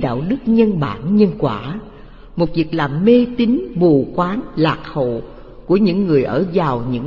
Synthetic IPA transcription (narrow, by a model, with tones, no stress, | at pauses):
ɗa̰ː˧˨wɗɨ˦˥k̚ɲə˧nɓa̰ː˧˩nɲə˧nkwaː˧˩ | mo˨˩t̚vi˨˩ək̚laː˨˩mme˧t̪i˨˦ŋmu˨˩kwaː˨˦nlaː˨˩k̚ho̰˧˨ | ku˧˩əɲɨ̰˧˥ŋːɨ˨˩əjʔəː˧˩vaː˨˩wɲɨ̰˧˥ŋ